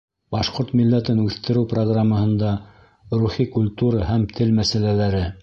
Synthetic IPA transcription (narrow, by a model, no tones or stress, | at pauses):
bɑʃqoɾt̪milːæt̪ɘnʉθt̪ɘ̆ɾɘwproɡramːəhɤ̆nd̪ɑ | ruχikulʲt̪uɾɑhæmt̪ʰɘlmæsælælæɾɘ